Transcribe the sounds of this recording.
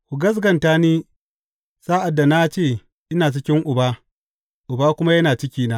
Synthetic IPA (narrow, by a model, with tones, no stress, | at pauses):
kʷʊ˨ɡɐ˦s̬ɡɐ˨ntaː˦niː˦ | saː˦ʔa˨dːa˨na˦t͡ʃeː˦˨ | ʔɪ˦naː˨t͡ʃɪ˦kʲɪ˦ŋʔʊ˨baː˦ | ʔʊ˨baː˦kʷʊ˦ma˦jɐ˦naː˨t͡ʃɪ˦kʲiː˦naː˦